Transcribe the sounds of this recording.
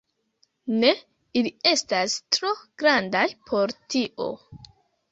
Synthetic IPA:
ne̞ | ilie̞stastɾo̞ɡ̥ɾandajpʰo̞ɾtiʔo̞̰

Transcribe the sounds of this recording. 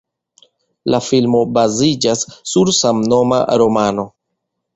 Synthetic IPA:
lafilmo̞bazid͡ʒasːuɾsamno̞ma̰ɾo̞mano̞

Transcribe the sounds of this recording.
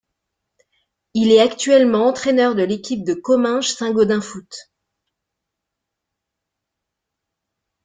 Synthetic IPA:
ilɛakt̪ɥɛlmɑ̃ɑ̃t̪χenœʁd̪əlekʲʰip̚d̪əkɔmɛ̃ʒsɛ̃ɡod̪ɛ̃fut̪

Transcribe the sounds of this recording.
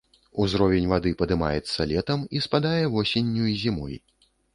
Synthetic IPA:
uzɾɔvʲenʲvad̪ɨpɐd̪ɨma̰jɛt̪sːɐlʲɛt̪ɐmispad̪ajɛvɔsʲenʲːuizʲimɔ̰j

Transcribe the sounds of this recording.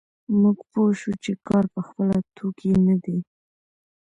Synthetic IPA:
muɡpoʃut͡ʃekɑɾpəxpəlat̪ʰokʰenad̪i

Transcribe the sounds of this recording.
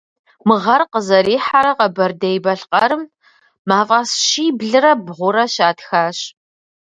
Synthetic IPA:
mɨʁɐrqəzɐɾiːħaɾɐqɐbɐrdɐjbɐɬqɐɾɨmː | aːfʼɐsʃiːbɮɨɾɐbʁʷʊɾɐʃaːtxaːɕ

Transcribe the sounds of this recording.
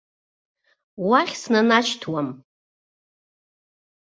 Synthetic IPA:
waχʲsnanat͡ʃtʰwam

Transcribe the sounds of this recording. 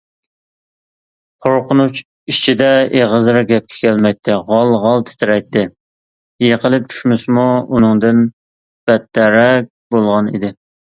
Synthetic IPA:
qʰoɾqənut͡ʃ | it͡ʃʰid̪ɛeʁəzɾɨɡʲɛp̚kʲʰɛ̥kʲʰælmɛjt̪ʰːɪʁɑlˠʁɑlˠt̪ʰɪ̥t̪ʰɪɾɛjt̪ːɪ | jeqəlˠɪp̚t͡ʃʰy̥ʃmɪsmuunɨŋd̪ɪn | b̥ɛt̪ːɛɾɛk̚ʲbolˠʁɑnḭd̪ɪ

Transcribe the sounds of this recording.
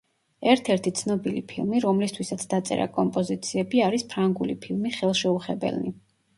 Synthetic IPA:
ɛɾt̪ʰɛɾt̪ʰit̪sʰnɔbilḭpʰilˠmiɾɔmlist̪ʰwisat̪sʰd̪at̪sʼɛ̰ɾa̰kʼɔmpʼɔzit̪sʰiɛbiaɾispʰɾaŋɡulḭpʰilˠmiχɛlˠʃɛuχɛbɛ̰lni

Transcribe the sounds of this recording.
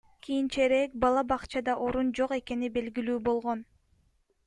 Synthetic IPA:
kʰijint͡ʃeɾe̞k̚bɑlˠɑbɑqt͡ʃɑd̪ɑʔo̞ɾund͡ʒo̞qe̞ke̞nibe̞lɡilyːbo̞lˠʁo̞n

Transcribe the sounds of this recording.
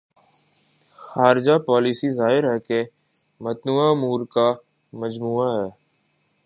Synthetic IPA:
xaːɾɪd͡ʒapɔːliːsizaːɦɪɾɦɛke | mət̪nuːamuːɾka | məd͡ʒmuːaɦɛː

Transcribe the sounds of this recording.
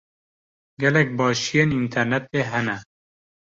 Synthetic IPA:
ɡɛlɛk̚bɑːʃijeːnint̪ʰɛɾnɛt̪eːɦɛnɛ

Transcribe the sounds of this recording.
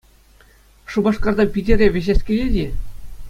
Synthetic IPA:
ʂubɑʂkɑrd̪ɑpʲidʲĕrʲeʋʲeʑesʲkʲelʲedʲi

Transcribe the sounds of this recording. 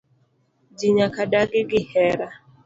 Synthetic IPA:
d͡ʒiɲakadaɡɪɡɪhɛɾa

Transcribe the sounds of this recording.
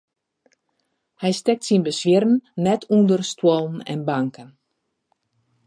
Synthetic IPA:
hɛjstɛk̚tsinbəsʋjɪrən̩nɛtʰundərstʰwolˠn̩ɛ̰nbaŋkən

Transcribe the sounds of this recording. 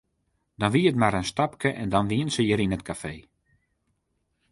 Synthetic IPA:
dɔnʋiətmaɾənstapkəʔɛndɔnʋiənsəjəɾinətkʰafeː

